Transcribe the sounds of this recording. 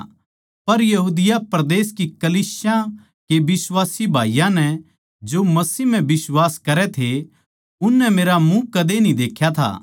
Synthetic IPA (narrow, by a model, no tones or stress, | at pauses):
pɐɾjɐɦuːd̪ɪjapɾɐd̪eːskikɐliːsjã | kebɪswaːsibʱaːijãnɛ | d͡ʒomɐsiːm̤ɛ̃bɪswaːskɐɾɛt̪ʰe | ʊnːɛmeːɾamũkɐd̪enĩd̪eːkʰjat̪ʰa̰ː